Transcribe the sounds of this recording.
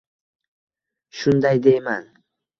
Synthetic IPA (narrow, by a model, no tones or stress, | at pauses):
ʃʊnd̪ajd̪e̞jman